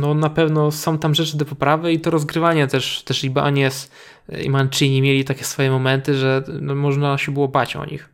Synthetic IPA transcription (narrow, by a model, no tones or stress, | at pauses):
nɔnapɛvnɔsɔ̃w̃t̪amʐɛt͡ʂɘd̪ɔpɔpɾavɘit̪ɔɾɔzɡɾɘvaɲɛt̪ɛʂt̪ɛʂlʲibʔa̰ɲɛs | ḭmant͡ʂɨɲimʲjelʲit̪akʲɛ̥sfɔjɛmɔmɛnt̪ɘʐɛnɔmɔʐnaɕɛbɘwɔbat͡ɕɔ̰ɲḭx